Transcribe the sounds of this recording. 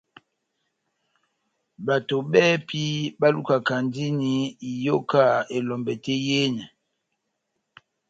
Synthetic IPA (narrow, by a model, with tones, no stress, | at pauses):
ba˨to˨bɛ˦pʰi˦ba˦lu˦ka˨ka˨ndi˦ni˦˨jo˦ka˦˨e˨lɔ˨mbɛ˨tɛ˦je˦nɛ˨